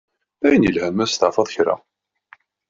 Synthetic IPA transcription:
æjənjəlhæmæst̪ɑʕfɑðˤçɾa̰

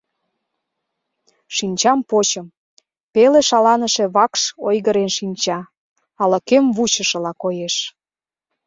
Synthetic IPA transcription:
ʃinʲt͡ɕɑmpot͡ɕə̆m | peleʃɑlɑnəʃĕβɑkʃojɣəɾenʃinʲt͡ɕɑ | ɑlə̆kemβut͡ɕəʃə̆lɑkojeʃ

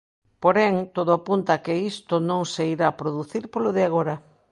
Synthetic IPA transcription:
poɾɛŋt̪oðoapunt̪ɐkɪist̪ʊnõŋseiɾaːpɾoðuθiɾpoloðeaɣ̞oɾɐ

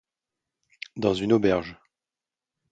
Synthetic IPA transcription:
d̪ɑ̃zynobɛʁʒ

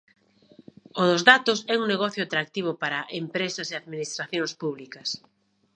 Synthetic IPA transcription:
oðʊzðat̪ʊsɛuŋneɣɔθjʊat̪ɾak̚t̪iβ̞ʊpaɾɐʔempɾesɐseaðminist̪ɾaθjõŋspuβlikɐs

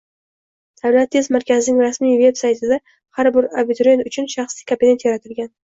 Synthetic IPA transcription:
d̪̥avlat̪ʰːe̞zmaɾkʲʰazɪnɪŋɾasmijve̞bsajt̪ʰɪd̪a | haɾbɪɾabɪt̪ʊɾe̞nʊt͡ʃʰʊnʃaχslijkʰompee̞nt̪jaɾat̪ʰɪlɡʲan

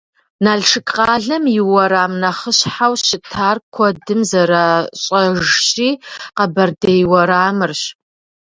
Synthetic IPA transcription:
naːɮʂɨkʼqɑːɮɐmjɪwɐɾaːmnɐχəɕħawʃɪtʰaːrkʷʰɔdɨmzɐɾaːɕʼɐʒɕʼiːqɐbɐrdɐjwɐɾaːmɨrɕ

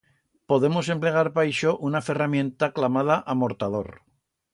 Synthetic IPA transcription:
po̞ðe̞mo̞se̞mple̞ɣ̞aɾpajʃoʔunafe̞ramjẽ̞nt̪aklamað̞aʔamo̞ɾt̪að̞o̞̰ɾ

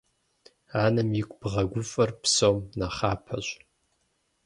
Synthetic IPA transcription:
anɨmjikʷʼb̥ʁɐɡʷʊfʼɐrpʰsomnaχaːpʰɐ̰ɕʷʼ

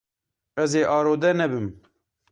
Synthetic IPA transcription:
ɛzeːʔɑːɾoːd̪ɛnɛbɨm

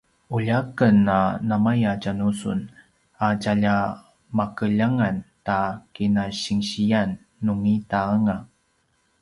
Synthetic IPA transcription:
uʎakənanamajacanusṵn | acaʎa | makəʎaŋantakinaɕiŋɕijanː | uŋitaaŋa

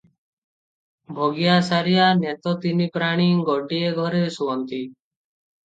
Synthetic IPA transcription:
bʱoɡijasaɾijanɛt̪ɔt̪inipɾaɽ̃iŋɡɔɖieɡʱɔɾesuɔnt̪i

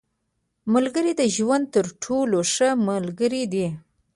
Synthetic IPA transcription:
məlɡəɾid̪əʒwand̪̚t̪əɾʈʰoloʂəməlɡəɾid̪i

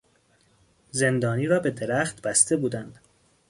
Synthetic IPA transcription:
ze̞nd̪ɒːniːɾɒːbe̞d̪eɾæχt̪bæst̪ʰe̞buːd̪ænd̪̥

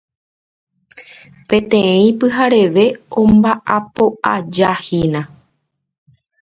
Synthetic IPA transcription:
pẽ̞t̪ẽ̞ĩpɨɦaɾe̞ʋe̞õmbaʔapo̞ʔad͡ʒahinã

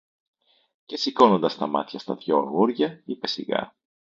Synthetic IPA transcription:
ce̞siko̞no̞nd̪ɐst̪ɐmɐ̰t̪çɐst̪ɐðʝo̞ɐ̰ɣuɾʝɐipe̞siɣɐ̰

